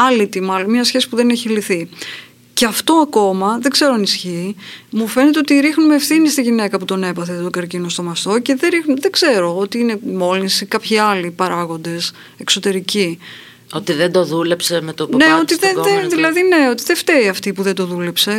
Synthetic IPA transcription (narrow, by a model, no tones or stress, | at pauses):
ɐlit̪imɐlo̞nmɲɐsçe̞si̥puðe̞neçiliθi | ceɐft̪o̞ɐko̞mɐðe̞ɡze̞ɾoɐnisçiːmufe̞net̪eot̪iɾixnumeːfθinist̪iʝine̞kɐput̪o̞ne̞pɐθet̪oɡɐɾcinost̪o̞mɐst̪o̞ce̞ðeɾixnumðeɡze̞ɾo̞ot̪iine̞mo̞linsikɐpçiɐlipɐɾɐɣo̞nd̪e̞s | e̞kso̞t̪e̞ɾici | ot̪iðend̪oðule̞psemet̪oneo̞t̪iðeðeðilɐðine̞o̞t̪iðeft̪e̞iɐft̪ipuðe̞nd̪o̞ðule̞pse̞